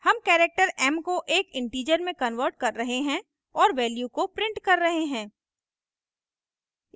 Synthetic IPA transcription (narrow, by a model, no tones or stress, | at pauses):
hɐmkɛːɾek̚ʈəɾɛːmkoʔeːkɪ̃ɳʈiːd͡ʒəɾmẽkɐnʋəɾʈ̚kɐɾːɐɦeɦɛ̃ | ɔːɾʋɛːljukopɾɪ̃ɳʈkɐɾːɐɦeɦɛ̃ː